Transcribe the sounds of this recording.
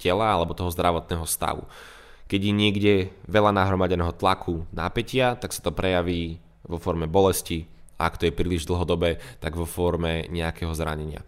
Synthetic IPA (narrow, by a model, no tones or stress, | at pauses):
cɛlaalɛbɔt̪ɔɦɔzd̪ɾaʋɔt̪̚nɛːɦɔst̪a̰ʋṵ | kɛɟjɛɲɪɛɡɟɛʋɛlanaɦɾɔmaɟɛnɛːɦɔt̪lakʰuna̰pɛcɪat̪aksḁt̪ɔpɾɛjaʋiː | ʋɔfɔɾmɛbɔlɛsci | aakt̪ɔjɛpɾiliʒd̪l̩ˠɦɔd̪ɔbɛːt̪aɡʋɔfɔɾmɛɲɛakɛɦɔzɾa̰ɲɛɲɪa̰